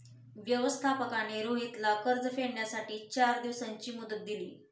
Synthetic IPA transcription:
ʋjəʋəst̪ʰapəkañeɾoɦit̪lakəɾd͡zəfeɽɳjasaʈiːt͡ɕaɾd̪iʋsaɲt͡ɕiːmud̪ət̪̚d̪ilḭː

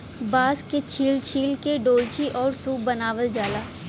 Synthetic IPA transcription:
baːsket͡ʃʰiːlt͡ʃʰiːlkeɖoːlt͡ʃʰiʔɔːɾsuːbənaːʋəld͡ʒaːlaː

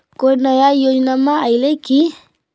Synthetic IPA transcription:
kojnəjajod͡ʒnamãajleki

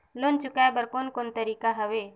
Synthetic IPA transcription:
lont͡ʃʊkajbəɾkonkont̪əɾiːkaɦəʋe

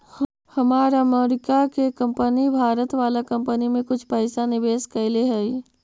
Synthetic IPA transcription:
hɐmaːɾəmeːɾɪkakekɐ̃mpənibʱaːɾət̪ʋaːlakɐ̃mpənimẽkʊt͡ʃʰpəɪsanɪʋeːskəɪleɦɛi

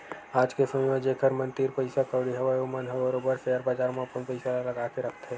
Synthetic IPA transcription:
aːd͡ʒkesəməd͡ʒekʰəɾmə̃nt̪iːɾpəɪsakəːɽiɦɐʋajomənɦɐʋəɾobəɾseəɾbaːd͡ʒaːɾmaːpunpəɪsalɐɡaːkeɾɐkʰt̪ɦɛː

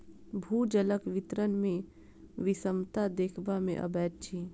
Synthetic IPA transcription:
bʱuːd͡ʒələkʋɪt̪ɾənmẽ | ʋɪsəmt̪ad̪eːkʰbamḛ̃ʔə̰bɛːt̪̚t͡ʃʰi

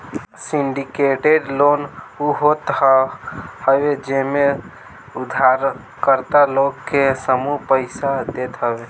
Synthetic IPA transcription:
siɳɖikeʈeɖlonuɦot̪ | həbed͡ʒeme | ud̪ʱaɾ | kəɾt̪alokkːesəmupəɪsad̪et̪ɦəbe

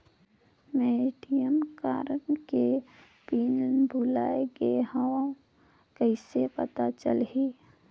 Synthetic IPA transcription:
meɖijəmkaːɾənke | piːnbʱulaːeɡeɦaã | kəɪsepɐt̪at͡ʃə̰lɦiː

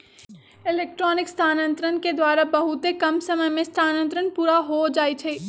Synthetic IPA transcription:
ɪleːk̚ʈɾɔːnɪkst̪ʰaːnə̃nt̪ɾənked̪waːɾabɐɦʊt̪ekɐmsɐməjmẽst̪ʰaːnə̃nt̪ɾənpuːɾaɦod͡ʒaːit͡ʃʰeː

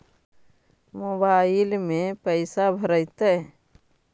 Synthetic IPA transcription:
mobaɪlmẽpəɪsabʱəɾəɪt̪əɦ

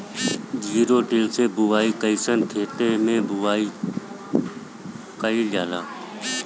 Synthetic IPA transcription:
d͡ʒiːɾoːʈɪlseːbʊʋaːiːkəisənt̪ʰeːʈeːmẽːbʊʋaːi | kəiljaːlaː

